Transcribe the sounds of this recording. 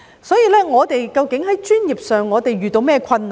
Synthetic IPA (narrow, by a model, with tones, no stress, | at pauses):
sɔː˨˥jiː˨˧lɛː˥ŋɔː˨˧t̪e˨jkɐ˧wkɪ˨˥ŋɦɐ˨˥jt͡ʃyː˥njiː˨p̚sœː˨˩ŋːɔː˨˧t̪e˨jɥyː˨t̪o˧wmɛː˥kʰɐ˧nː˨